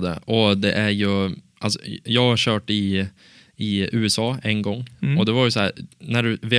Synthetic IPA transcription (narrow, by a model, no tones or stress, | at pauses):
d̪ɛ̰ɔd̪ɛʔæɾjɵʔalsɔ̥̰jɑːɡɕœːʈɪ | ɪʉːɛsɑːɛŋɡɔŋːɔd̪ɛvaɾjɵsɔhæːɾnæɖɵveː